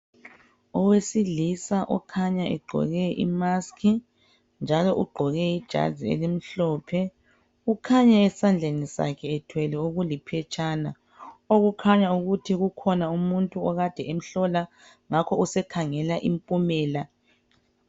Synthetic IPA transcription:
ɔwesilisaʔɔ̰kʰaɲaʔɛɡ͡ǃʱɔ̰ɣɛʔḭmaskʰi | nd͡ʒʱalɔʔuɡ͡ǃʱɔɣɛid̥ʒ̥ʱa̰ziḛlim̩ɬɔːpʰɛ | ukʰaɲaɛsand͡ɮʱenisa̰kʰɛɛtʰwɛlɛoɣulipʰɛt͡ʃʼʰaːna | oɣukʰaɲauɣutʰiɣukʰɔnaumuntʼuɔɣad̥ʱɛem̩ɬɔla | ŋakʰɔusɛkʰaŋɛlaʔimpʼumɛːla

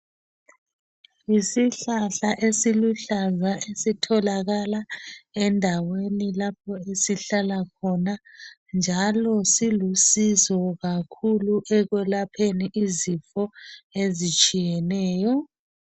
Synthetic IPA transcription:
isiɬaɬaʔesiluɬazwaesitʰɔlaɣalaɛndʱawenilapʰɔesiɬalakʰɔna | nd͡ʒʱalɔsilusizɔɣakʰuluʔɛɣwɛlapʰeniʔizifɔezit͡ʃʼijɛnɛːjɔ

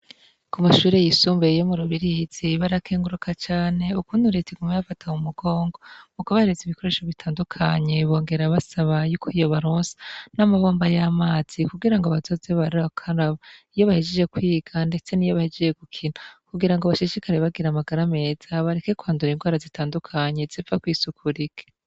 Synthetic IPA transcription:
kumaʃuːɾe̞jisuːmbeijomuɾuβiɾihz̥iβaɾakʰeːŋɡuɾukʰat͡ʃaːne̞ukuːnduɾetʰiɡumejafatʰaumuɡo̞ːŋɡo̞mukaβaheɾeziβiko̞ɾeʃoβitʰaːndukʰaɲe̞βo̞ːŋɡe̞ɾaβasaβajuːkʰoijo̞βaɾoːnsḁnamaβo̞ːmbajamaːz̥ikuɡiɾaŋɡoβazo̞zeβaɾiakʰanaβoijo̞βahed͡ʒed͡ʒe̞kwiːɡ̥ande̞t͡se̞nijo̞βahed͡ʒeʒeɡukʰinakuɡiɾaŋɡoβaʃiʃikaɾeβaɡiɾamaɡaɾame̞ːz̥aβaɾekekuaːnduɾinɡwaːɾazitaːndukʰaɲe̞zifakwiːsukʰuɾike̥

